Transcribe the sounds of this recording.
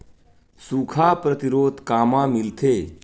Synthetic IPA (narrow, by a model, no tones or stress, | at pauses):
suːkʰapɾət̪iɾoːd̪kaːmãmɪlt̪ʰeː